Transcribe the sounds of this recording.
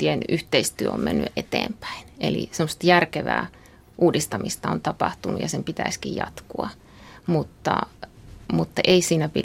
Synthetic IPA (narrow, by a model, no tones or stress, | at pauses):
ienʔyht̪eist̪yøommenːy̰ʔet̪ḛːmpæ̥inelḭsemːost̪ɑjærkeʋæ̰ː | ʔuːdist̪ɑmist̪ɑont̪ɑpɑht̪unṵjɑsempit̪æiskijjɑ̰t̪kuɑ | mut̪ːɑ̰ | mut̪ːɑʔeisiːnæpi